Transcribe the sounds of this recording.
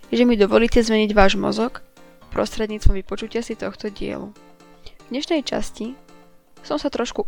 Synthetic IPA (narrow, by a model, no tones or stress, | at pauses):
ʒɛmid̪ɔʋɔliːcɛzmɛɲiɟʋaːʒmɔ̰zɔkpɾɔ̰st̪ɾɛd̪ɲiːt͡st̪ʋɔ̃mʋipɔt͡ʃucɪasit̪ɔxt̪ɔɟɪɛ̰lṵ | vd̪ɲɛʃnɛjt͡ʃa̰sci | sɔmsat̪ɾɔʃku